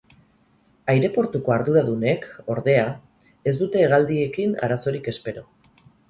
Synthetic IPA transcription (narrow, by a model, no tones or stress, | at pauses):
ajɾe̞po̞ɾt̪uko̞aɾðuɾaðune̞ko̞ɾðe̞a | e̞zd̪ut̪e̞ːɣ̞ald̪ie̞kina̰ɾaso̞ɾike̞spe̞ɾo̞